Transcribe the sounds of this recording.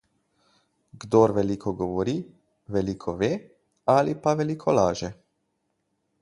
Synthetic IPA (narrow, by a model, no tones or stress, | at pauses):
ɡd̪oːɾʋɛlikʰɔɡɔʋɔɾi | ʋɛlikʰɔʋeː | alipaʋɛlikʰɔlaːʒɛ